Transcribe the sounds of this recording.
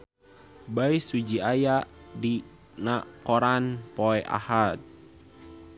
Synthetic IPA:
baisud͡ʒiajaʔdi | nakoɾanpɔɛʔa̰hat̪̚

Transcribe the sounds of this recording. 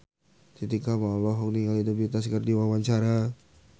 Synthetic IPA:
kit̪ikamalɔɦɔk̚niŋalid̪abit̪askərdiwawaɲt͡ʃaɾa

